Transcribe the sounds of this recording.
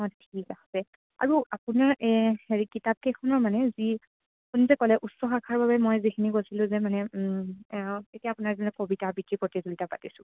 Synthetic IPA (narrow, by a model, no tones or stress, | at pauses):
ɔttʰikahsɛ | a̰ɹuapunaɹɛeɹikitap̚kekʰɔnɔɹmanɛzi | apunizɛkɔlɛʔusːɔxakʰaɹbabɛmɔjzikʰinikosilʊ̃zɛmanɛ | etijaːpʊnaɹzinɔkobitabikɹipotizulitapatisʊ̃